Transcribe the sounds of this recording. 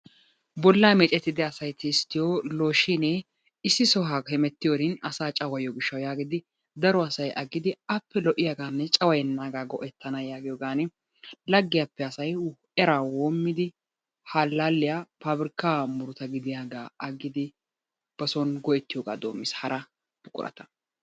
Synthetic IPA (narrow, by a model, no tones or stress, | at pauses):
bɔlːaːmɛt͡ʃʼɛt̪ːɪd̪ɪɐsɐjt̪ɪst̪ːɪjoːloːʃinɛ | ɪsːɪsɔɦaːhɛmɛt̪ːɪjoɾɪnɐsaːt͡ʃʼɐwɐjɔɡɪʃːɐwjaːɡɪd̪ɪ | d̪ɐɾɔɐsɐjɐɡɪd̪ɪɐpːɛlɔʔɪjaɡaːnːɛt͡ʃʼɐwɐjɛnːaːɡaːɡɔʔɛt̪ːɐnɐjaːɡɪjɔɡaːnɪ | lɐɡːɪjapːɛɐsɐj | ɛɾaːwoːmːɪd̪ɪ | haːlːaːlːɪjaːpaːbɾɪkːaːmʊɾʊt̪ɐɡɪd̪ɪjaːɡaːɐɡːɪd̪ɪ | b̥ɐsɔnɡɔʔɛt̪ːɪjoɡa̰ːd̪o̞ːmːɪshɐɾʔɐ | bʊkʼʊ̰ɾɐ̰t̪ɐ̥